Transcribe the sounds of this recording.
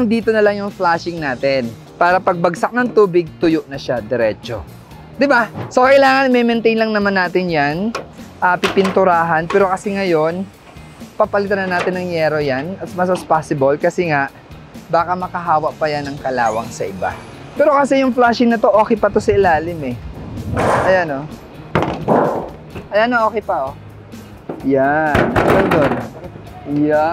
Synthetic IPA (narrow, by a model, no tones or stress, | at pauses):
ɐŋd̪iːt̪o̞nɐlaŋjʊŋflaːʃɪŋnaːt̪ɪn | paːɾɐpɐɡ̚bɐɡsak̚nɐŋt̪uːbɪɡ̚t̪ʊjoʔnɐʃad̪ɛɾɛ̰ːt͡ʃo̞̰ | d̪ɪbaso̞kɐʔɪlaːŋɐnmɛmɛnt̪ɛjnlɐŋnɐmanːaːt̪ɪnjanʔɐːpɪpɪnt̪ʊɾaːɦɐnpɛːɾo̞kɐsɛŋɐjo̞n | pɐpɐlɪt̪anɐnaːt̪ɪnɐŋjɛɾojanɐt̪smasɐspaːsɪbolkɐsɛŋaʔ | baːkɐmɐkɐɦaːwɐʔpɐjanɐŋkɐlaːwɐŋsɐʔɪba̰ | pɛːɾo̞kɐsɛjʊŋflaʃɪŋnɐt̪o̞ʔo̞ːkɛjpɐt̪o̞sɐɪlaːlɪmɛ | ʔɐjano | ʔɐjanoʔo̞ːkɛjpɐʔo | janɐd̪ond̪on | ja